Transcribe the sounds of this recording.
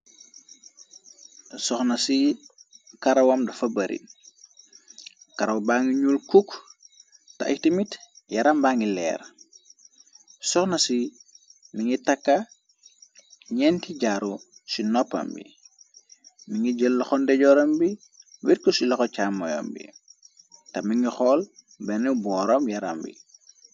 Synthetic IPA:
sɔxnɐsi | kɐɾɐwɔmdɐfɐbɐɾʔḭ | kɐɾɐwbaːŋiɲulkuk | tɐ̰itimitjɐɾɐmbaːŋilɛ̰ːɾ | sɔxnɐsi | miŋitɐkːɐ | ɲɛntiɟaɾusinɔpːɐ̰mbḭ | miŋɡiɟəlːxɔndɛɟɔːɾɐmbi | wiɾkusilɔxɔt͡ʃaːmːɔjɔ̰mbḭ | tɐmiŋɡixɔːl | bɛnɛbɔɾɔmjɐɾa̰mbḭ

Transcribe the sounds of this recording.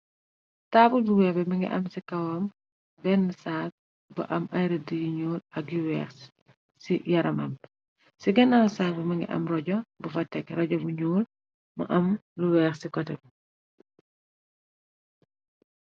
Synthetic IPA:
taːbuduwɛbɛmɐŋɡḭʔɐ̰msikɐwɐm | bɛnːəsaːt̚ | bɐ̰ʔɐmɐjɾɐdijiɲuːlɐk̚jiwɛːx | sijɐɾɐmɐm | siɡɛnɐlsaːbumɐŋɡḭʔɐ̰mrɔɟɔbufɐtːɛkɾɔɟɔbuɲuːl | mɐ̰ʔɐmluwɛːxsikɔtɛp

